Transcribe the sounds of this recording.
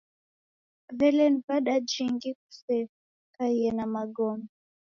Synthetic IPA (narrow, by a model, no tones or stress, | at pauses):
vɛlɛnpaɗad͡ʒiŋɡik̚u̥sɛ | kaiɛnamaɡɔmɛ